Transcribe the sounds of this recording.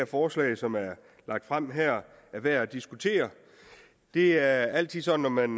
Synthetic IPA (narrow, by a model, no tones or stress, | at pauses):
ɐfɒːslɛ̰ɪsɒ̽mæɐ | lɑ̈ɡ̥̚d̥fʁam̰ɦæɐ̰ | æʋeæd̥isɡ̥ut͡sʰe̝̰ːɐ | d̥e̝æɐæl̰t͡sʰið̰ˠsɒ̽d̥n̩nːɒmæn